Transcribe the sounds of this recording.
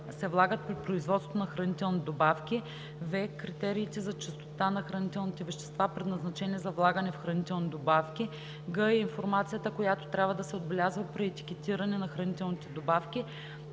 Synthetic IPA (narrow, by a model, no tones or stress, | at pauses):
sɛvlˠaɡət̪̚pɾipɾoizvɔt̪sot̪onɐxɾɐnit̪ɛlˠnid̪obafkʲi | vɛkɾit̪ɛɾiːt̪ɛzɐt͡ʃɛst̪o̥t̪anɐxɾɐnit̪ɛlˠnit̪ɛvɛʃt̪ɛ̥st̪vapɾɛd̪nɐznɐt͡ʃɛniɛzɐvlˠaɡənɛfxɾɐnit̪ɛlˠnid̪obafkʲi | ɡɤiinfoɾmat̪sijət̪əkojat̪o̥t̪ɾʲabvəd̪ɐsɛod̪̚bɛlʲazvəpɾɛɛt̪i̥kʲɛt̪iɾɐnɛnɐxɾɐnit̪ɛlˠnit̪ɛd̪obafkʲi